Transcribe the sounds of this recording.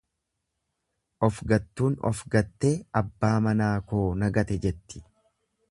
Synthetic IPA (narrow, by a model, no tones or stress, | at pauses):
ʔɔfɡɐt̪ːuːnɔ̰fɡɐt̪ːeːɐbːaːmɐnaːko̞ːnɐɡɐt̪ɛd͡ʒɛt̪ːɪ̥